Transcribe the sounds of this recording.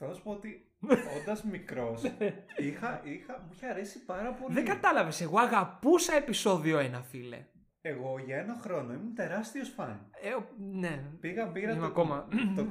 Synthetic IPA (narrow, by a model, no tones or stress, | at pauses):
t̪ospoot̪i | ond̪ɐzmikɾo̞sixɐixɐmuiçɐɐɾe̞sipɐɾɐpo̞ðeiɡɐt̪ɐlɐve̞se̞ɣo̞ɐɣɐpusɐe̞piso̞ðio̞enɐfile̞̰ | eɣoʝɐenɐxɾo̞noimut̪e̞ɾɐst̪iosfɐneonepiɣɐbiɾɐimɐko̞mɐo